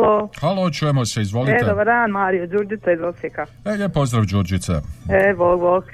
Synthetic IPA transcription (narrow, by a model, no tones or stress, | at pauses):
lohalot͡ʃuːjemoseizʋolied̪obaɾd̪aːnmaːɾijod͡ʒuɾd͡ʒit̪saizosjeka | ejepozd̪ɾaʋd͡ʒuːɾd͡ʒit̪sḛeboːɡboːɡ